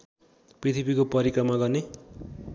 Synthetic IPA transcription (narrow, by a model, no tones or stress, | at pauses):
prit̪ʰipikopʌɾikʌmaɡʌrne